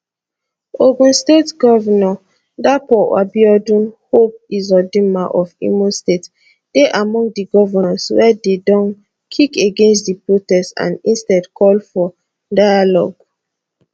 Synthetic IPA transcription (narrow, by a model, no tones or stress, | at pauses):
oɡũnstetɡɔvɛnɔ | dapɔa̰biɔdũnhop̚izɔdimaʔɔfḭmostet | d̥eʔamɔ̃ŋɡdiɡɔvɛnaswɛdedɔ̃n | kʰikeɡẽnstdipɹotɛstã̰nĩnstɛdkʰɔlfɔ | dajalɔ̰ɡ